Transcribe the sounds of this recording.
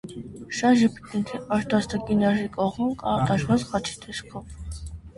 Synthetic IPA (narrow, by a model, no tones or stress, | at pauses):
ʃɑʒipit̪nɛt̪ʰiɑɾt̪ʰɑst̪ʰɑkʼinɑʒikʼɔχumkʼɑt̪ɑʃvɑzχɑt͡ʃʰi̥t̪ʰɛʃkʰɔv